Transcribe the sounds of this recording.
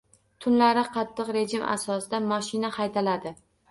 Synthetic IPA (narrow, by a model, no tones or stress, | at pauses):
t̪ʰʊnlaɾɪqʰɑt̪ʰːɨqɾe̞d͡ʒɪmʔa̰sɒsɪd̪amɒʃɪnahajt̪ʰalad̪ɪ